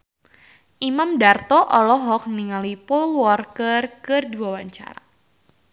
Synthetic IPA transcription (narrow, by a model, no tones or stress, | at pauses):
ʔimamdart̪ɔʔɔlɔɦɔk̚niŋalipɔlwɔrkərkərduawaɲt͡ʃa̰ɾa̰